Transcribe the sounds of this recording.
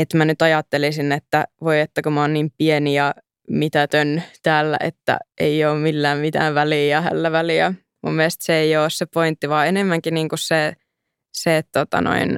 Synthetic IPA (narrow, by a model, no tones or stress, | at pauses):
et̪mænyt̪ɑjɑt̪ːelisinːet̪ːæʋoiet̪ːækumæoːnnimpienijɑ | mit̪æt̪ønt̪æːlːæ̰ʔḛt̪ːæ̰ʔeioːmmilːæːmmit̪æ̰ːʋʋælijɑhæ̰lːæʋæliæ̰ | mṵmːiest̪seeioːssepoint̪ːiʋɑːenemːæŋkiniːŋkusse | set̪tot̪ɑ̰no̰in